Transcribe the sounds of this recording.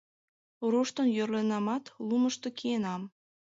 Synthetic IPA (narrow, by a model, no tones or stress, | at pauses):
oɾuʃt̪ənjørlenɑmɑt̪luməʃt̪o̽kienɑm